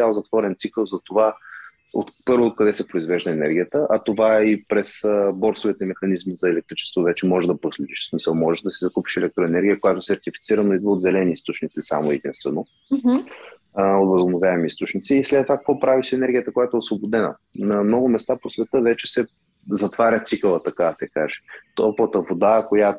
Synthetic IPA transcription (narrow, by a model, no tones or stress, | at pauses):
t̪ʲalˠzɐt̪vɔɾɛnt̪sikəlˠzɐt̪ova | o̰t̪pɤɾvoːt̪̚kɐd̪ɛsɛpɾoizvɛʒd̪əɛnɛɾɡʲijət̪əʔɐt̪ovaipɾɛsəbɔɾsovit̪əimɛxɐnizmizɐɛlɛk̚t̪ɾit͡ʃɛ̥st̪vovɛt͡ʃɛmɔʒɛʒd̪ɐpɾoslɛd̪iʃsmisəlˠmɔʒɛʃd̪ɐsizɐkupi̥ʃɛlɛk̚t̪ɾʊɛnɛɾɡʲijəkojat̪ʊsɛɾt̪ifi̥t̪siɾənoid̪vəod̪zɛlɛniist̪ʊt͡ʃnit̪sisa̰moɛd̪ĩnst̪vɛno | ot̪vəzobnovjaɛmiist̪ʊt͡ʃnit̪siːslɛt̪ːovakə̥kvɔpɾaviʃɛnɛɾɡʲijət̪əkojat̪oɛosvobod̪ɛnə̰ | nɐmnɔɡʊmɛst̪aposvɛt̪ɤvɛt͡ʃɛsɛ | zɐt̪vaɾʲət̪sikəlˠət̪ɐkaɐsɛkaʒɛ̥t̪opət̪əvod̪akojat̪